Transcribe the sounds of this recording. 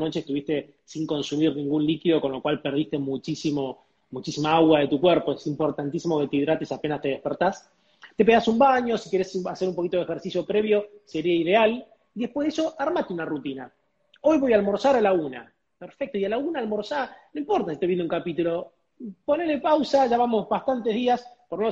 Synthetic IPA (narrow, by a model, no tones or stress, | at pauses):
no̞t͡ʃeest̪uβist̪e̞ | siŋko̞nsumiɾnĩŋɡunlikiðo̞ko̞nlo̞kwalpeɾð̞ist̪emut͡ʃisimo | mut͡ʃisimaaɣwaðet̪ukwɛɾpoesimpo̞ɾt̪ant̪isimo̞ket̪eiðɾat̪esape̞nast̪eð̞ehpeɾt̪as | t̪e̞p̬e̞ɣasumbaɲo̞sike̞ɾesaseɾumpo̞kit̪o̞ðexeɾsisjo̞pɾe̞βjo̞se̞ɾiaiðe̞al | iðehpweðeso̞ʔaɾmat̪eunarut̪ina | o̞jβo̞jaːlmo̞ɾsaɾalauna̰ | peɾfek̚t̪oialaunaːlmoɾsanoĩmpo̞ɾt̪asi̥t̪eβjenuŋkapit̪ulo̞ | ponelepawsaʒaβamo̞zβast̪ant̪eɦðiaspoɾno